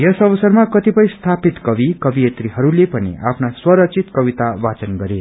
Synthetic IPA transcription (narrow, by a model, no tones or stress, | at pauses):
jʌsʌbʌsʌrmakʌt̪ipʌjst̪ʰapit̪kʌbikʌbiet̪riɦʌɾulepʌnḭʔa̰pʰnaswʌɾʌk̚t͡sʰit̪kʌbit̪abat͡sʌnɡʌɾe